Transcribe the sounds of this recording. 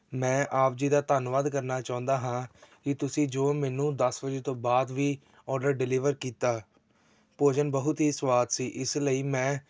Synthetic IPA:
mɛ̃ːʔaːp̚d͡ʒiːd̪aːt̪aːnʋaːd̪kəɾnaːt͡ʃaːʊ̃nd̪aːɦãːkɪt̪ʊsĩːd͡ʒoːmɛːnũːd̪əsbəd͡ʒeːt̪õːbaːd̪ʋiː | ɔːɾɖəɾɖɪlɪːʋəɾkiːt̪aː | poːd͡ʒənbəɦʊt̪ɦiːswaːt̪siːʔɪsləiːmɛ̃ː

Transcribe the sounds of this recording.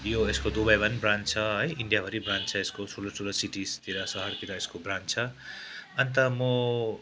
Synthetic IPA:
joeskod̪ubajbʌnbrant͡sʰʌɦʌjiɳɖijabʱʌɾibrãnt͡sʰʌeskosʰulʌsulʌsiʈist̪iɾʌsʌɦʌrt̪iɾʌeskobrant͡sʰʌ | ʌnt̪ʌmʌ

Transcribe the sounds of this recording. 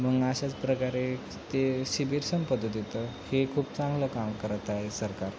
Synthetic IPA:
məɡaɕat͡spɾəkaɾe | t̪esibiɾsəmpəd̪ət̪it̪əhekʰuːp̚t͡sãŋɡləkamkəɾət̪aɦesəɾkaɾ

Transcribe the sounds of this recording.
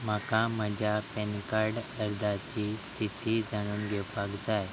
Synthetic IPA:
m̤əkam̤əd͡ʑʱapenkaɾɽəɾd̪at͡ɕiːst̪ʰit̪iːd͡zaɽ̃uːnɡʱɛwpakd͡zaj

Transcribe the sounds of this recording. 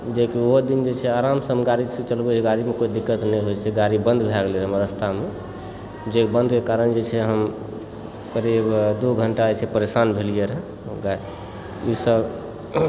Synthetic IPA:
d͡ʒekioɦd̪ind͡ʒet͡ʃʰɛaɾamsəɦmɡaɾisə̃t͡ʃəlbɛt͡ʃʰɛɡaɾimekoid̪ikːət̪nɛjɦojt͡ʃʰɛɡaɾibənd̪bʱɛɡliəɾɦəmɾəst̪ʰame | d͡ʒebənd̪ʱkekaɾənd͡ʒet͡ʃʰɛɦəm | kəɾibd̪oɡʱəɳʈat͡ʃʰɛpəɾesanbʱelijeɾɦ | ɡaɾi | isəb

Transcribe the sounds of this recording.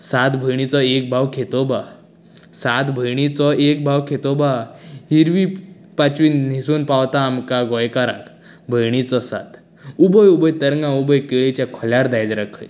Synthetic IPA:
sat̪bʱəjɳ̃it͡sɔek̚bʱawkʰet̪ɔba | sat̪bʱəjɽ̃it͡sɔek̚bʱawkʰet̪ɔbaɦiɾʋi | pat͡ɕʋiːnnisuːnpawt̪aːmkaɡɔjkaɾa̰k | bʱəjɳit͡sɔsa̰t̪ | ubəjubəjt̪əɾŋɡãubəjkeɭit͡ɕãkʰɔljaɽd̪ajd̪ɾəkʰəj

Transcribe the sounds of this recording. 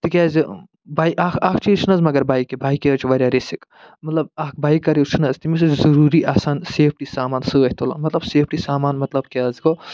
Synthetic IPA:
t̪ikʲaːzi | baːjakʰaːkʰt͡ʃʰit͡ʃʰɨnɐzmɐɡɐɾbaːjkːibaːjkːeɐt͡ʃʰiʋɐɾʲjaɾesik | mɐt̪lɐbaːk̚ʰbaːjkːɐɾit͡ʃʰɨnɐzʲt̪imis̬ut͡ʃʰzɐɾuːɾiʔasaːnseːp̚ʰʈisaːmaːnsɨɐɦʲt̪ola̰nmɐt̪lɐbseːpʈisaːmaːnmɐt̪lɐbkeɐzɡo

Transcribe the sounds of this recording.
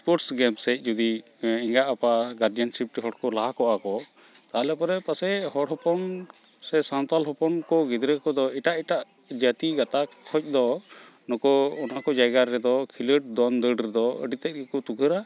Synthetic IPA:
spɔɾʈsɡɛmsɛc̚ˀd͡ʒud̪i | iŋɡaʔapaɡaɾd͡ʒansip̚ʈiɦɔɽkɔlakɔʔakɔ | t̪alɛpɔɾɛpasɛhɔɽɦɔpɔn | sɛsant̪alɦɔpɔnkɔɡid̪ɾɛkɔd̪ɔiʈaʔiʈaʔ | d͡ʒat̪iɡat̪akʰɔc̚ˀd̪ɔ | nɔkɔɔnakɔd͡ʒajɡaɾɛd̪ɔkʰiləʈ̚d̪ɔnd̪əɖɾɛd̪ɔə̰ɖit̪ɛc̚kɛkɔt̪uɡʰʱəɾa

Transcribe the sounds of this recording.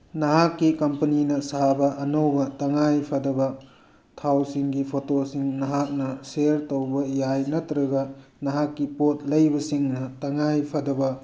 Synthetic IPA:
nɐɦakːikɐmpɐninɐsabɐʔɐnowbɐtɐŋajpʰɐdɐbɐ | tʰawsiŋɡipʰotosiŋnɐɦak̚nɐseɾtowbɐjajnɐtɾɐɡɐnɐɦakːipot̚lɐjbɐsiŋnɐtɐŋajpʰɐdɐbɐ

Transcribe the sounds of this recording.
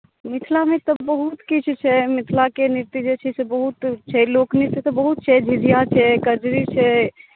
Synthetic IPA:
mit̪ʰlamet̪ɔbəɦut̪kit͡ʃʰt͡ʃʰɛmit̪ʰlakeniɾt̪id͡ʒet͡ʃʰɛsebəɦut̪t͡ʃʰɛloknisit̪ɔbəɦut̪̚t͡ʃʰɛd͡ʒʱiɾijat͡ʃʰɛkəd͡ʒɾit͡ʃʰɛ

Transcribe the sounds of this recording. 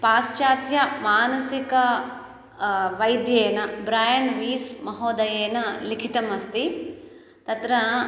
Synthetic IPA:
paːst͡ʃaːt̪jɐmaːnɐsikɐ | ʋɐjd̪jeːnɐbɾaːjɐnʋiːsmɐɦoːd̪ɐjeːnɐlikʰit̪ɐmɐst̪i | t̪ɐt̪ɾɐ

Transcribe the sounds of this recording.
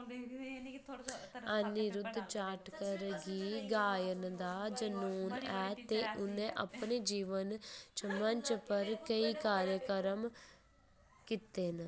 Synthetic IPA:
ənːiɾʊd̪t͡ʃaːʈkəɾɡiːɡaːjənd̪aːd͡ʒənuːnɛːt̪eːʔʊnẽːʔə̰pneːd͡ʒiːʋənt͡ʃəməɲt͡ʃpəɾkəiːkaːɾjəkəɾəm | kɪt̪eːn

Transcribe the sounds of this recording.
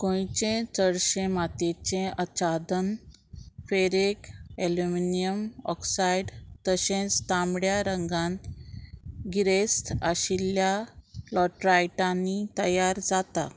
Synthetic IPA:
kõjt͡ɕẽt͡səɽɕẽmat̪et͡ɕẽət͡ɕad̪ən | feɾekeluminijəmɔ̰ksaiɖt̪əɕẽt͡st̪ãmɽjaɾəŋɡãn | ɡiɾesʈaɕiljalɔʈɾajʈanːit̪əjaɾd͡zat̪a̰

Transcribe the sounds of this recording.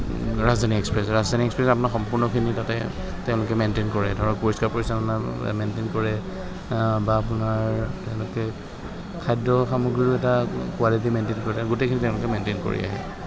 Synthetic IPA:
ɹazdʱanikɛkspɹɛsɹazdʱaniɛkspɹɛsapʊnaɹxɔmpʊɹnɔkʰinitatɛ | tɛʊ̃lʊkɛmentenkɔɹɛdʱɔɹɔpoɹiskaɹpoɹisapnamentenkɔɹɛ | baːpʊnaɹtɛʊ̃lʊkɛ | kʰajdɹɔxamuɡɹiɹʊɛtakualit̬imentenkɔɹiɡutekʰinitɛʊ̃lʊkɛmentenko̰ɹḭa̰ɦɛ̰

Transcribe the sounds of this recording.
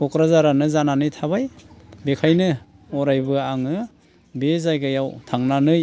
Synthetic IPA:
kʰɔkɾazaɾanɯzananɯjtʰaβajbekʰajnɯ | ɔɾajbɯaŋɯ | bezajɡajawtʰaŋnanɯj

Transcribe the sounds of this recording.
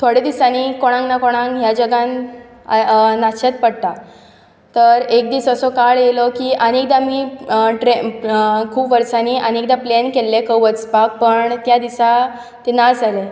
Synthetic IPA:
t̪ʰoɽed̪isanikoɽ̃ãŋɡnakoɽ̃ãŋɡɦjad͡ʑəɡãn | naɕet̪̚pəɽt̪a | t̪əɾek̚d̪iːsəsɔkaɭjelɔkiːʔənek̚d̪amiːʈɾekʰuːpʋəɾsaniʔənekd̪ãplenkelːekəʋət͡spak̚pəɳt̪jad̪isa | t̪enad͡zale

